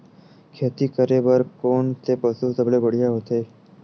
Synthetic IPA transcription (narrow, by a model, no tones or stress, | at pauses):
kʰeːt̪iːkəɾeːbəɾkoːnt̪eːpəsusəbɽeːbəɽ̤ijaɦoːt̪eː